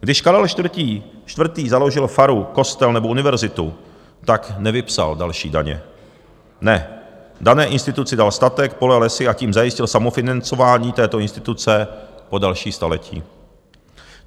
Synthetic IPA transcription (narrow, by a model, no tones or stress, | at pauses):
ɡdɪʃkaɾɛlʃt̪vr̩t̪iː | ʃt̪vrt̪iːzalo̞ʒɪlfaɾuko̞st̪ɛlnɛboʔunɪvɛɾzɪt̪u | t̪aknɛvɪpsa̰ldalʃḭːdaɲɛ̰ | nɛdanɛːʔɪnst̪ɪt̪ut͡sɪdalst̪at̪ɛk̚po̞lɛlɛsɪʔaciːmzajɪscɪlsamofɪnant͡so̞vaːɲiːt̪ɛːt̪o̞ɪnst̪ɪ̥t̪ut͡sɛpo̞dalʃiːst̪alɛcḭː